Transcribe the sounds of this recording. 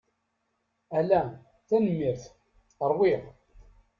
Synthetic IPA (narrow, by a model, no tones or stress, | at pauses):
ælæ | θænəmːiɾθ | əɾˤwiʁ